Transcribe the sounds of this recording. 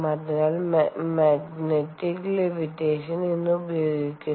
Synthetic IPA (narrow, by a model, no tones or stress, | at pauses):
mɐd̪ɐɣalmmaɡneʈːiklemiʈːeːʃɐnenːuubɐjoːɡikʲːu